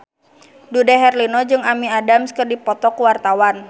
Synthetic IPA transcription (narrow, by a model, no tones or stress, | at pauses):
dudaɦɛrlinɔd͡ʒɨŋamiadamskərdipɔt̪ɔkuwart̪awan